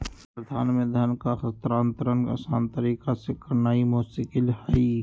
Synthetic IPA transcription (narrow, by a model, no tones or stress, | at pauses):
pɾəd̪ʱaːnmẽd̪ʱɐnkaxɐt̪ɾaːnt̪əɾənɐ̰saːnt̪əɾiːkasekəɾnaːimoːsikɪlhai